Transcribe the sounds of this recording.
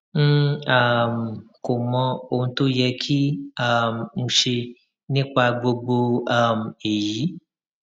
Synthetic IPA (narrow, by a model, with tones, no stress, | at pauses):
m̩̃˦a˦m˨ko˨mɔ̃˧o˨ũ˧t̪o˦jɛ˧kʰi˦a˦m˨ũ˧ʃe˧ | nĩ˦k͡pa˧ɡ͡bo˧ɡ͡bo˧a˦m̩˨e˨ji˨˦